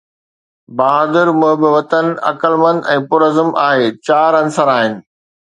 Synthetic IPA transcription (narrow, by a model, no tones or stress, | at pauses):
baːɦaːd̪ɪɾmʊ̃ɦɪbɪʋɐt̪ənɐ̰kəlmə̃nd̪ɛ̃ːpʊɾəzəmʔaːɦeːt͡ɕaːɾɐnsəɾaːɦɪnɪ̆